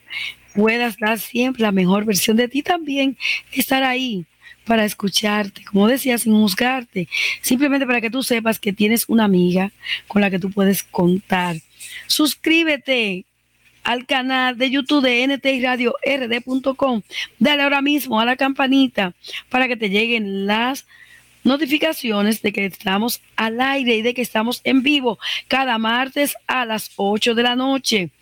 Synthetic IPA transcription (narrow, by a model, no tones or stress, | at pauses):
pwe̞ðasd̪aɾsje̞mpɾe̞lame̞xo̞ɾβe̞ɾsjo̞nd̪e̞t̪it̪ambje̞ŋe̞st̪aɾai | paɾaeskut͡ʃaɾt̪e̥ko̞mo̞ðe̞siasiŋhus̬ɡaɾt̪e̞simp̬lement̪epaɾake̞t̪use̞p̬aske̞t̪jene̞sunaːmiɣako̞nlake̞t̪upwe̞ðe̞sko̞nt̪aɾ | suskɾiβ̞e̞t̪e̞ | alkanald̪e̞ʝut̪uβðeenet̪eiraðjo̞ʔere̞ðepunt̪o̞ko̞md̪aleao̞ɾamismo̞alakampanit̪apaɾake̞t̪e̞ʝe̞ɣe̞nlas | no̞t̪̬ifikasjo̞ne̞sd̪e̞ke̞ːst̪amo̞s | alajɾe̞iðe̞ke̞ːst̪amo̞se̞mbiβo̞kaðamaɾt̪e̞salaso̞t͡ʃo̞ðe̞lano̞t͡ʃe̞